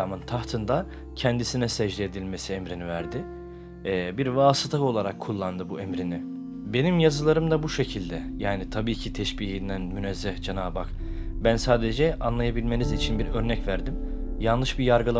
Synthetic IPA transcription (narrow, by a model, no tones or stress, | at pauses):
amɯnt̪ʰaht̪ʰɯnd̪a | cʰɛnd̪isinɛsɛʒd̪ɛed̪ilʲme̞siɛmɾinivæɾd̪ɪ | biɾvaːsɯt̪ʰao̞lˠaɾakʰːulˠːand̪ɯbuemɾinɪ | be̞nimjazɯlˠaɾɯmd̪abuʃe̞cʰilʲd̪ɛjaːnit̪ʰabiːcʰit̪ʰɛʃbiːɦind̪ænmynɛzːɛhd͡ʒenaːbakbænsaːd̪ed͡ʒɛanlˠajabilʲme̞nizit͡ʃʰinbiɾø̞ɾnɛcvæɾd̪im | jalˠlˠɯʃbijaɾɡɯlˠa